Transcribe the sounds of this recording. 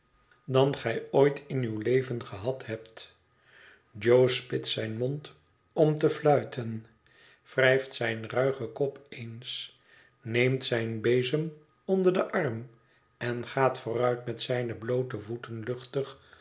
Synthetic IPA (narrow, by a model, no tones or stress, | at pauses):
dɑnχɛjojtʰɪnywlejvənχəɦɑtɦɛpt | d͡ʒowspɪtsɛjnmɔnt | ɔmtəflœɥtʰən | frɛjftsɛjnrœɥχəkɔpʰens | nejmtsɛjnbejzəm | ɔndəʁdəʔɑrm | ɛnχaːtfʊːrœɥtmɛtsɛjnəblowtəvutənlɵχtəχ